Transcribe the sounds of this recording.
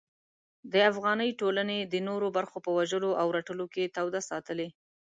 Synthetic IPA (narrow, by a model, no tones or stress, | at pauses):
d̪əafɣɑnəjʈolaned̪ənoɾobaɾxopəwaʒəloʔawɾaʈəloket̪awd̪asɑt̪əle